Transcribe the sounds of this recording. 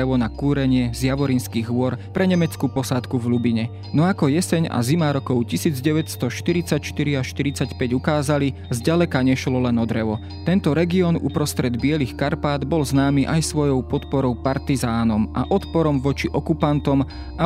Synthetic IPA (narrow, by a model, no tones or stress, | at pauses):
ɛʋɔnakuːɾɛɲɪɛzjaʋɔɾinskiːɣʋʊɔɾpɾɛɲɛmɛt͡skupɔsat̪kuvlubiɲɛ | nɔakɔjɛsɛɲa̰zimaɾɔkɔʊcisiːd͡zɟɛʋɛcst̪ɔʃt̪iɾit͡sacʃt̪iɾiaʃt̪iɾit͡sacpɛɟukaːzalizɟalɛkaɲɛʃlɔlɛnɔd̪ɾɛʋɔ | t̪ɛnt̪ɔɾɛɡiɔːnṵpɾɔst̪ɾɛd̪bɪɛlixkaɾpaːd̪bɔlznaːmiʔajsʋɔjɔʊpɔt̪pɔɾɔʊpaɾt̪izaːnɔmʔa̰ʔɔt̪pɔɾɔmʋɔt͡ʃiʔɔkupant̪ɔm | a